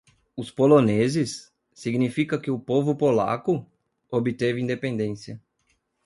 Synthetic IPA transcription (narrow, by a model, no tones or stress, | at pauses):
ʊspolonezɪsː | iɡnifikɐkɪʊpovʊpola̰kʊ | obɪt̪evɪĩnd̪epẽnd̪ẽsiɐ